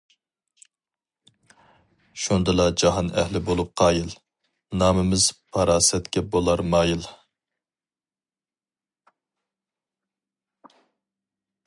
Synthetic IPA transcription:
ʃund̪ɨlˠɑd͡ʒɑɦɑnɛ̰hlɪbolˠup̚qʰɑːjilˠ | nɑːmɪmɪz̥pʰɑɾɑːsɛt̪kʲɛbolˠɑɾmɑːjilˠ

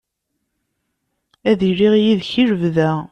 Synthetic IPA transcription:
æðɾiʁjiðçiɾvðæ

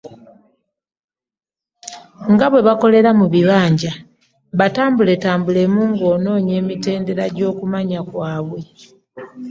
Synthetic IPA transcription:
ŋɡaβwe̞βako̞le̞ɾamuβiβaːɲɟa | βataːmbule̞taːmbule̞muːŋɡo̞ːno̞ːɲe̞ːmite̞ːnde̞ɾaɟo̞ːkumaɲakwaːβwe

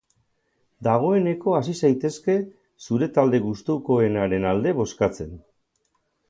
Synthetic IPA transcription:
d̪aɣ̞o̞e̞ne̞ko̞asisajt̪e̞ske̞ | suɾe̞t̪ald̪e̞ɣust̪uko̞e̞naɾe̞nald̪e̞βo̞skat͡se̞n

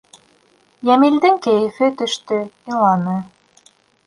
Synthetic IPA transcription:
jæmild̪ɘŋkɘjɘ̆fɘt̪ɵ̆ʃt̪ɵiɴlˠɑnɤ

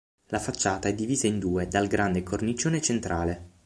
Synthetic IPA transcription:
lafat͡ʃːaːt̪aɛd̪ːiviːzaind̪uːed̪alɡɾand̪ekʰornit͡ʃːoːnet͡ʃent̪ɾaːle

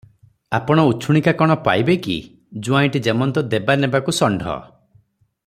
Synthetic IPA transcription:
apɔɽ̃ɔuːt͡ʃʰuɽ̃ikakɔɽ̃ɔpa̰jbekḭ | d͡ʒuaĩʈid͡ʒemɔnt̪ɔd̪ebanebakusɔɳɖʱɔ̰

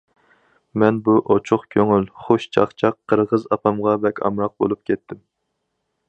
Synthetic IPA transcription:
mɛnbuʔot͡ʃʰʊχkʲʰøŋylχoʃt͡ʃʰɑχt͡ʃʰɑqʰːəɾʁəzɑpʰɑmʁɑbɛkʲʰɑ̰mɾɑq̚bo̰lˠup̚kʲʰɛt̪ʰːɪm

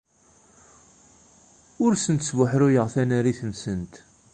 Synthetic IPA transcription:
ʊɾsənt̪svʊħɾʊjəʁθænæɾiθənsənt̪

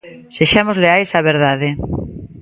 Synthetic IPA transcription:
seʃamozleajsaβeɾðaðe

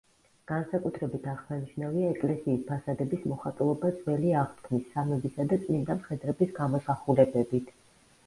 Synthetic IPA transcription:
ɡ̥ansakʼut̪ʰɾɛbit̪ʰaʁsaniʃnaviaɛkʼlɛsiːspʰasad̪ɛbismɔχat̪ʼulˠɔbad̪zʼvɛliaʁt̪ʰkʰmisːamɛbisad̪at̪sʼnind̪amχɛd̪ɾɛbisɡamɔsaχulɛbɛbit̪ʰ

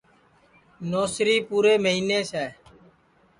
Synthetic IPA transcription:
noːsɾiːpuːɾeːməɦiːneːsɛː

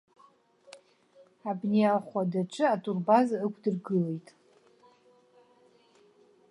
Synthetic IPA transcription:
abnejalχʷadaʈ͡ʂʷʼʰɨatʰʼurbazaɨkʷʰdɨrɡɨle̞jtʼ

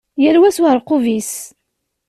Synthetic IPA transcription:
jæɾwæswaɾˤqʊvis

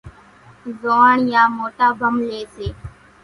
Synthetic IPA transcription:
zoːɳjãːmoːʈaːbʱəmleːseː

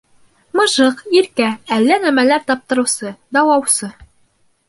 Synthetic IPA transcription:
mɤ̆ʒɤqiɾkæælːænæmælæɾt̪ɒp̚t̪ɤ̆ɾɤ̆wsɤd̪ɒwɑwsɤ

